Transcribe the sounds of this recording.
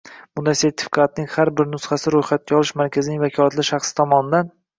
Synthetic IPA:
mʊd̪aseɾt̪ʰɪ̥fɪ̥kʰat̪nɪŋhaɾbɪɾnʊsχasɪɾojχat̪̚kʲaɒlˠɪʃmaɾkʲʰazɪnɪŋvakʲʰɒlˠat̪lɪʃaχsɪ̥t̪ʰɒmɒnɪd̪an

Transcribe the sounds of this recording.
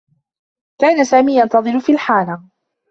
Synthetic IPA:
kaːnasaːmiːjant̪ɑðˤɨɾʊfiːlħaːla

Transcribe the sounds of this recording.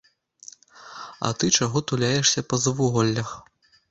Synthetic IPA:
ɐ̰t̪ɨt͡ʂaɣɔt̪ulʲajɛʂsʲɐpɐzɐvuɣɔlʲːɐx

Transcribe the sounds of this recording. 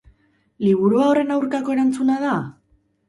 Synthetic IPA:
liβ̞uɾuaore̞nawɾkako̞e̞ɾant͡sunaða

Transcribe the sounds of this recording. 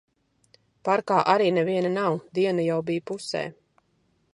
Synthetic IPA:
paɾkaːʔaɾiːnɛviɛnanawd̪iɛnajawbijpusɛ̰ː

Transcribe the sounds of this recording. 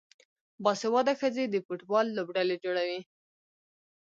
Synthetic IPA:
bɑsewɑd̪axəzed̪əpoʈwɑlːobɖaled͡ʒoɽawi

